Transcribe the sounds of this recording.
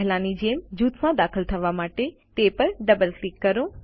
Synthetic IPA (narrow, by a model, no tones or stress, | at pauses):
ɦlaːnid͡ʑeːmd͡ʑuːt̪ʰmãd̪aːxɪlt̪ʰɐʋamaːʈet̪epɐɾɖɐbəlklikːɐɾoː